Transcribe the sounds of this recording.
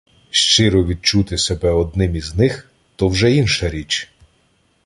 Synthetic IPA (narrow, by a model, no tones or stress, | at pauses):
ʃt͡ʃɪɾɔʋʲid̪̚t͡ʃut̪ɪsebɛɔd̪̚nɪmiznɪx | t̪ɔwʒɛinʃɐɾʲit͡ʃ